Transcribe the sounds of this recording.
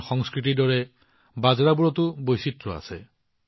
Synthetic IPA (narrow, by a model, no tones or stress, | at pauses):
xɔŋskɹitidɔɹɛ | bazɹabuɹɔtubojsitɹɔa̰sɛ